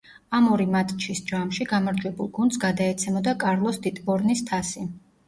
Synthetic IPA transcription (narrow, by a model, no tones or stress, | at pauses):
amɔɾimat̪ʼt͡ʃʰisd͡ʒamʃiɡamaɾd͡ʒwɛbulˠɡund̪sɡad̪aɛt̪sʰɛmɔd̪akʼaɾlˠɔsd̪it̪ʼbɔɾnist̪ʰasi